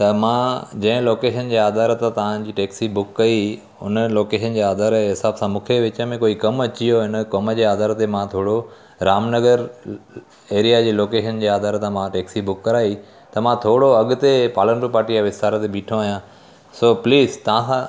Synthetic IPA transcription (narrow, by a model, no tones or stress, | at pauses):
t̪ɐmãd͡ʑɐ̃ɦɪ̃loːkeːʃənd͡ʑeːaːd̪ʱaːɾt̪ãt̪ɐʋ̤ãd͡ʑiːʈeːksibʊkːɐi | ʊ̰nəloːkeːʃənd͡ʑeːaːd̪ʱaːɾɦɪsaːbsãmũːkʰeʋɪt͡ɕə̆mẽkoːikɐmɐt͡ɕijoɪnəkɐməd͡ʑeːaːd̪aːɾt̪emãt̪ʰoːɽo | ɾaːmnɐɡəɾ | eːɾijad͡ʑeːloːkeːʃənd͡ʑeːaːd̪ʱaːɾt̪ãmãʈeːksibʊkːɐɾaːi | t̪ɐmãt̪ʰoːɽoɐɠʊt̪epaːlənɖɾupaːɾʈiaʋɪst̪aːɾət̪ebiːʈʰõaːɦijãː | soːpliːzt̪ɐʋ̤ãsã